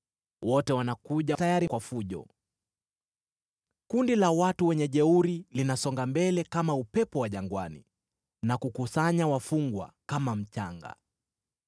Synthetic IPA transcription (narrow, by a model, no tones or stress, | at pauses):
wɔtɛwanakuʄatajaɾikwafuʄɔ̰ | kundilawatuwɛɲɛʄɛuɾilinasɔŋɡambɛlɛkamaupɛpɔwaʄaŋɡwanḭ | nakukusaɲawafuŋɡwa̰kamam̩t͡ʃaŋɡa̰